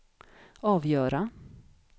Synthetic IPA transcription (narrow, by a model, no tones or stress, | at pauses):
ɑːvjœːɾa